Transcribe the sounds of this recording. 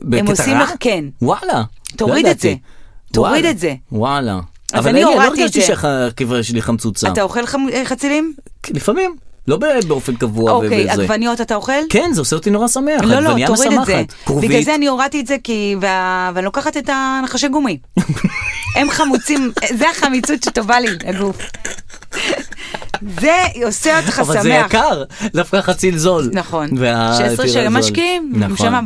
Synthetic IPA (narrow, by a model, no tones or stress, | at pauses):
beemosimleke̞nwalatoʁid̪etzetoʁid̪etze̞wala̰ | ʔavalanioloeʁɡaʃt̪iʃeχakeveʃeliχamt͡sut͡sa̰t̪aoχe̞lχamχat͡silim | lifamimlo̞bebeofenkavuaovekejaɡvanijo̞tatao̞χe̞lkenzeoseot̪inoʁasameaχlolajaoʁsiademazeat̪kʁobivɡlazeanioʁatietze̞kiveaveanlokaχatetanaχaʃeɡumi | emχamut͡simzeaχamit͡sut̪tovaliaɡuf | zeoseotχaavalsamzeejaakaʁdafkaχat͡silzo̞lnaχo̞nveaesʁeʃaemaʃkiimmʃama